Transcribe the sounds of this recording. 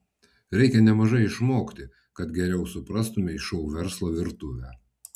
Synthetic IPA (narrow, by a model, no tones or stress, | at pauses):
ɾʲɛɪkʲɛnʲɛmɐʒɐɪɪʃmoːkt̪ʲɪ | kɐt̪ɡʲɛɾʲɛʊsʊpɾɐst̪ʊmʲɪɪʃɔʊʋʲɛɾslˠoːʋʲɪɾt̪ʊʋʲæː